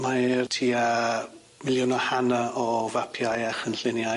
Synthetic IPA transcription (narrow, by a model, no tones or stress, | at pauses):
martʰiːa | mɪlˠjʊnɔhanaɔvapʰjajaχənɬɪnja